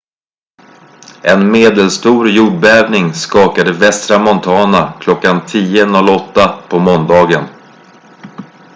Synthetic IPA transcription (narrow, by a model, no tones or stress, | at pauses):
ʔɛnmeːd̪əlst̪uːɾjuːɖ̚bɛːvnɪŋskɑːkad̪əvɛst̪ɾamɔnt̪ʰɑːnakʰlɔkːant̪ʰiːənɔlːɔt̪ːapʰɔmɔnd̪ɑːɡən